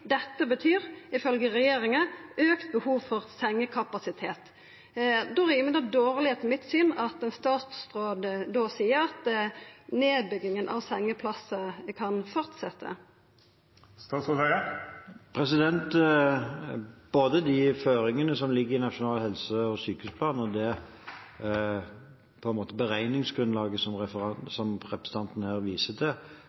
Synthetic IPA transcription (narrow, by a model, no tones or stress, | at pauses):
d̪ɛt̪ːəbət̪ʰyːɾɪfœlɡəʁɛjeːɾɪŋɑʔøːkt̪̚bəhuːʋfɔʁsɛŋːəkʰɑpɑsɪt̪ʰeːt̪ | d̪ɔʁimɛnd̪əd̪oːʁlɪheːt̪nmɪt̪syːnɑt̪ɛnst̪ɑːt̪sʁoːd̪d̪ːoːsiːəɾɑt̪ | neːbʏɡɪŋənʔɑ̰ʋsɛŋːəpʰlɑsəkʰɑnfɔʁt̪sɛt̪ʰːə̰ | st̪ɑːt̪sɔsæəpʰʁɛsɪd̪ɛnt̪ | b̥oːd̪əd̪ɪføːɾɪŋənəsɔmlɪɡːəɾɪnɑʂʊnɑːlhɛlsəɔsyːkəhʉspʰlɑːnɔd̪ɛ | pʰɔɛnmoːt̪əbəʁæɪnɪŋsɡ̥ʁʉnlɑːɡəsɔmʁɛfəɑsɔmʁɛpəst̪ʰɑnt̪n̩hæːʁʋiːsəd̪ɛ